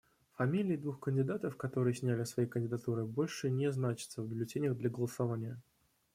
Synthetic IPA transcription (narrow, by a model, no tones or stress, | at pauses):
fɐmʲilʲɪɪd̪vuxkənʲdʲɪd̪at̪əfkɐt̪o̞ɾɨjɪsʲnʲælʲɪsvɐjejkənʲdʲɪd̪ɐt̪uɾɨbo̞lʲʂɨnʲeznat͡ɕɪt̪səvbʲɪlʲɪtʲenʲjəɣd̪lʲɐɡəlˠəsɐvanʲɪjə